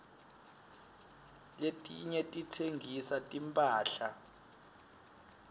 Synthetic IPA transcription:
letʼiɲɛtʼitʰeŋʱisatʼimpʼaːɬa

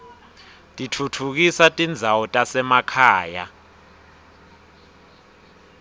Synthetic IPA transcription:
tʼitʰutʰuk̬isatʼind͡zʱawɔtʼasɛmakʰaːja̰

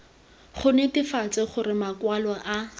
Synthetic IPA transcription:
χʊnɛtɪfat͡sɪχʊrɪmakwalɔʔa

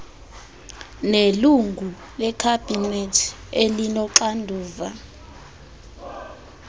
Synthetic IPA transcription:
neluŋɡʱu | lɛkʰab̥ʱinɛtʰ | elinɔǁandʱuːva

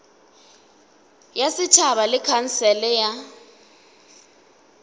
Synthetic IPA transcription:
jasɪt͡ʃʰaβalɪkʰan̩sɛlɛja

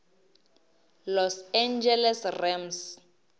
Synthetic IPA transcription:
lɔsand͡ʒɛlɛsrɛms

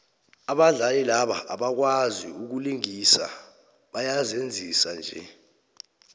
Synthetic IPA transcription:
aɓaɮalilaɓa̰ʔaɓak̬waziuk̬uliŋisa̰ | ɓajazend͡zʱisand͡ʒʱɛ̰

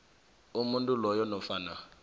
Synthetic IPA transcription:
umuntʼulɔjɔnɔfana

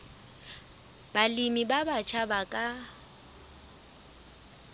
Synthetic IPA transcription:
b̥alimibabat͡ʃʰabakʼa

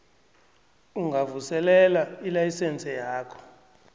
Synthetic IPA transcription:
uŋɡʱavusɛlɛlailajisɛnt͡sʼɛjaːkʰɔ̥

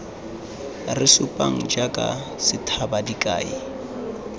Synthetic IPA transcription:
rɪsʊpʼaŋ̩d͡ʒakʼa̰ | sɪtʰabadikʼa̰ːi

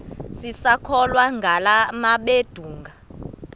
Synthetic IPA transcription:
sisakʰɔlwaŋɡʱalamaɓed̥ʱuːŋɡʱa

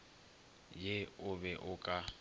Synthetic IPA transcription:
jeʊbɛʔʊkʼa

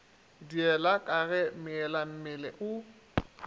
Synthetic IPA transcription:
diɛlakʼaɣɛmɪɛlam̩mɪlɛʔʊ

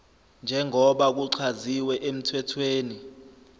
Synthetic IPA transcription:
nd͡ʒʱɛŋʱɔɓak̬uǀʰaziwɛʔem̩tʰwɛtʰweːni

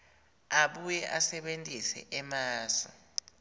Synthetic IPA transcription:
aɓujɛʔasɛɓentʼisɛ̰ʔɛmaːsɔ̰

